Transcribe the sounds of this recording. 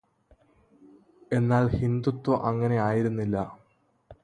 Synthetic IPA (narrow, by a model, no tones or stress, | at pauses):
e̞nːaːlhind̪ut̪ːoʔɐŋːɐne̞aːjiɾunːilːɐ